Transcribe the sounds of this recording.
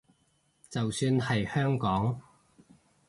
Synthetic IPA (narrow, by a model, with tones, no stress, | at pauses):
t͡sɐ˨wsyː˧nhɐ˨jhœː˥ŋkɔː˨˥ŋ